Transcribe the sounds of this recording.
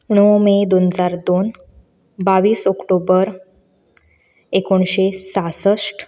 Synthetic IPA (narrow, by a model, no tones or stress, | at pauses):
ɳ̃əomed̪onəd͡zaɾd̪on | baʋiːsɔkʈobəɾ | ekoɳɕesasəʂʈ